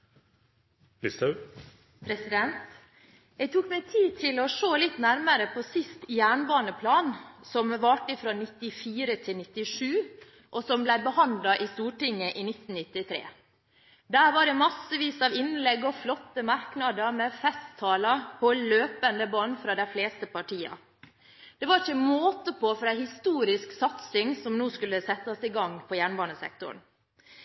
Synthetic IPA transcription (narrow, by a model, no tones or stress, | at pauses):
lɪst̪ə | pʰɾɛsɪd̪ɛnt̪ | jæɡt̪ʰuːkmɛɪt̪ʰiːt̪ʰɪlɔʂoːlɪt̪næɾməɾəpʰɔsɪst̪jæːɳbɑːnəpʰlɑːnsɔmʋɑːʈɪfɾɔnɪt̪ːɪfiːɾət̪ʰɪlnɪt̪ːɪʂʉː | ʔɔsɔmblæɪbəhɑnd̪lɑʔɪst̪uːʈɪŋːəʔɪnɪt̪ːn̩nɪt̪ːɪt̪ʰɾḛː | d̪æːɾʋɑɖɛmɑsːəʋiːsɑːʋɪnlɛɡɔflɔt̪ːəmɑɾknɑd̪əɾmɛfɛst̪ʰːɑːlɑpʰɔløːpənd̪əbɑːnfɾɑːd̪æɪfleːst̪əpɑʈʰiːɑ̰ | d̪̥ɛʋɑɾɪçəmoːt̪əpʰɔfɔɾæhɪst̪uːɾɪsksɑt̪sɪŋsɔmnuːskʉlːəsɛt̪ːɔsɪɡɑŋpʰɔjæːɳbɑːɳəsɛ̰k̚t̪ʊ̰ɳ